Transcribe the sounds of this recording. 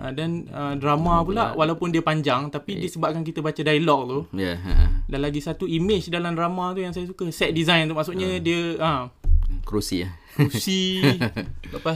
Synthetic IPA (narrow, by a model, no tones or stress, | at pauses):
ʔadanədɾamapula̰ʔwalawpʊndiəpaɲd͡ʒaŋt̪apidiəsəbap̚kank̬it̪əbat͡ʃadajlɔk̚t̪uja̰danlaɡisat̪uimɪt͡ʃdalamdɾamat̪ujaŋsajasukəsɛt̪̚dizajnt̪uʔmaʔsuʔɲədiəə | kɾusḭ | kusi | ləpa